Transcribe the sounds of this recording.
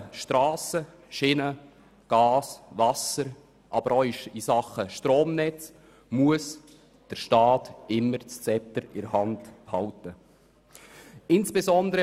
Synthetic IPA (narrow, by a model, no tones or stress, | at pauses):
ʃtɾɑːsə | ʃɪnə | ɡ̥ɑːsvɑsəɾ | ʔɑbəɾɔɪʃisɑχəʃtroːmnɛt͡s | muəs | d̥əɾʃtɑːtɪmːəɾt͡st͡sɛptəɾɪ̰ɾhɑndhɑwtə | ɪnsb̥ezɔnd̪əɾə